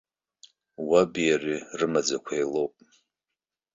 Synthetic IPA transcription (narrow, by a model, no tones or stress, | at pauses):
wabijarirɨmad͡zakʷʰajlo̞wpʼ